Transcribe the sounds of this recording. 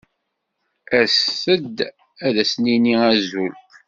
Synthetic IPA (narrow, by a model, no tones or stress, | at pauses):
æsəd̪ | æðæsniniæzulk